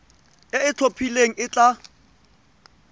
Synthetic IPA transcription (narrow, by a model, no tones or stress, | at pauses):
ɪɪt͡ɬʰopʰileŋ̩ɪt͡ɬʼa